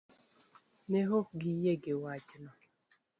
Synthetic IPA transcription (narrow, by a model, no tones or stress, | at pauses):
neɦoɡijeɡewad͡ʒnɔ